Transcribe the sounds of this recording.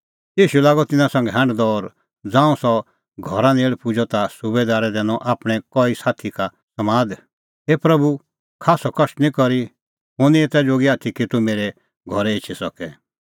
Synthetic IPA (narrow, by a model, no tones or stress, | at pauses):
jiːʃulaːɡɔt̪ɪnãsɐ̃ŋɡɛɦãɳɖd̪ɔɔːɾ | d͡zãːũsɔ | ɡʱɔɾãneːɭpud͡ʒɔt̪asubed̪aːɾɛd̪ɛːnɔ̃ʔaːpɽ̃ɛkɔisaːt̪ʰika | sɐmaːd̪ | epɾɐbu | kʰaːsɔkɐʃʈnĩkɔɾi | ɦʊniet̪ɛd͡ʒoːɡiaːt̪ʰikit̪umeːɾɛ | ɡʱɔɾɛɪt͡ʃʰisɔkɛ